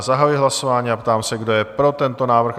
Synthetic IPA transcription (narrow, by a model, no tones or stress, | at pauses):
zaɦajujɪɦlaso̞vaːɲiːapt̪aːmsɛɡdo̞jɛpɾo̞t̪ɛnt̪o̞naːvr̩x